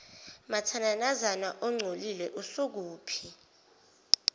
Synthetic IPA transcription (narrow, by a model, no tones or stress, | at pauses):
matʰananazanaʔɔŋ͡ǀʱolilɛʔusok̬uːpʰi